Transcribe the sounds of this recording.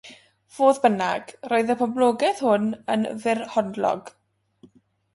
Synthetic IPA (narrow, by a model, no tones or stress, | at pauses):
v̥oːðbənaɡ̥roːɨðəpʰɔblˠoːɡɛθhʊnə̰nvɪrhɔndlɔ̰ɡ̥